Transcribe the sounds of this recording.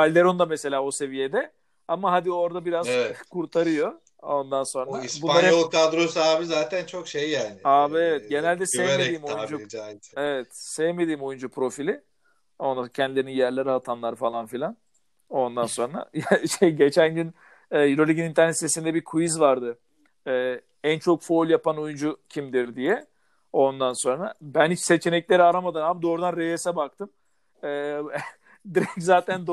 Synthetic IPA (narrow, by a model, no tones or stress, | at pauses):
alʲd̪eɾond̪amese̞lʲaːose̞vije̞d̪ɛ | amaɦad̪io̞ɾd̪abiɾazɛkʰuɾt̪ʰaɾɯjo | ond̪anso̞naisbuaɾlˠad̪ɾosaːbizaːt̪ʰænt͡ʃʰokʃejːaːnɪaːbievɛt̪̚ɟe̞nælʲd̪ɛsɛvmed̪iːmojud͡ʒuevɛt̪sevme̞d̪iːmo̞jund͡ʒupʰɾo̞filʲɪ | o̞nd̪acʰɛnd̪ilʲe̞ɾininjæɾlʲe̞ɾiat̪ʰanlˠaɾɯfalˠanfilʲan | o̞nd̪anso̞nɾa̰jaʃejɟet͡ʃʰænɟyn | ɛːiɾo̞lʲiɟinint̪ʰæɾnɛt̪sesind̪ɛbikʰujizvaɾd̪ɯ | ɛː | ænt͡ʃʰo̞kfoːlʲˠjapanojund͡ʒucʰimd̪iɾd̪ijɛ | o̞nd̪anso̞nɾa̰bænhit͡ʃse̞t͡ʃʰe̞nɛclʲe̞ɾiaɾamad̪ɯnabd̪o̞ːɾud̪anɾejesɛbak̚t̪ʰɯm | ɛː | d̪iɾɛɲczaːt̪ʰænd̪